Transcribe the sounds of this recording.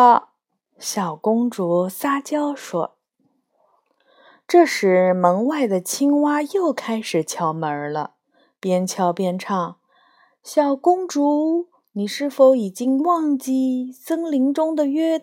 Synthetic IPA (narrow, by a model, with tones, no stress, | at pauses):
ɕjɑ˨˩ʊkʊ˥ŋʈ͡ʂu˧˥sa˥t͡ɕjɑ˥ʊʂwɔ̰˥ | ʈ͡ʂɤ˥˧ʂɻ̩˧˥mɤ˧˥ŋwa˥˩ɪd̪ə˩t͡ɕʰi˥ŋwa˥jo˥˩ʊkʰa˥ɪʂɻ̩˨˩t͡ɕʰjɑ˧˥ʊmə˞˧˥lə̰˧ | pjɛ˥nt͡ɕʰjɑ˧˥ʊpjɛ˥nʈ͡ʂʰɑ˥˩ŋ | ɕjɑ˨˩ʊkʊ˥ŋʈ͡ʂu˧˥ | ni˨˩ʂɻ̩˥˩fo˧˥ʊi˨˩t͡ɕi˥ŋwɑ˥˧ŋt͡ɕi˥˩sɤ˥ŋli˧˥ŋʈ͡ʂʊ˥ŋd̪ə˨ɥɛ˥